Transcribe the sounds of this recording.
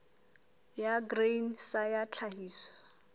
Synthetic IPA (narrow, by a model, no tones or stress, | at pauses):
jaɡrensajat͡ɬʰahiːswɔ̥